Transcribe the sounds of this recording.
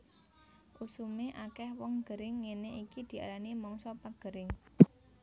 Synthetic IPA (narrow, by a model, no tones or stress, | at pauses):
ʔusumeʔakɛhwɔŋɡ̥əɾɪŋːeneʔikid̪̥i̤a̰ɾanimɔŋsɔpaɡ̥ə̤ɾɪŋ